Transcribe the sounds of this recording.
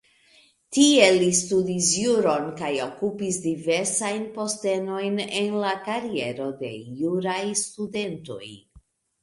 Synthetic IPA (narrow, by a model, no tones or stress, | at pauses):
tie̞listudisjuɾo̞nkajo̞kupisdive̞ɾsajnpo̞ste̞no̞jne̞nlakaɾie̞ɾo̞de̞̰juɾajstude̞nto̞̰j